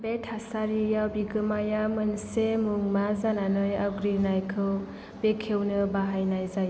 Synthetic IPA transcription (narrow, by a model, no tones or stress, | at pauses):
betʰasaɾijawbiɡɯmajamɯnsemuŋmazananɯja̰ɡɾinajkʰɯw | b̥ekʰewnɯbaɦajnajzaj